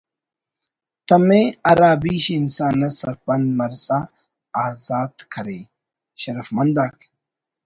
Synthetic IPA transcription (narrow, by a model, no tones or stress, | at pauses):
t̪ɐmẽɐɾaːbiːɕinsaːnɐsɐɾpɐnd̪mɐɾsa | aːzaːd̪kʰɐɾeː | ɕɐɾɐfmɐnd̪aːk